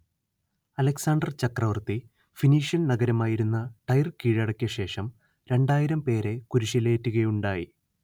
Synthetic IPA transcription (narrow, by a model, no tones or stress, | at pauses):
ɐlɐksaːɳɖɐrt͡ɕɐkrɐʋɐrt̪i | finiːʂjɐnnɐɡɐɾɐmaːjiɾunːɐʈɐjrkiːɻɐɽɐkʲːjɐɕe̞ːʂɐm | ɾe̞ɳɖaːjiɾɐmpe̞ːɾe̞kuɾuɕileːtːuɣɐjuɳɖaːji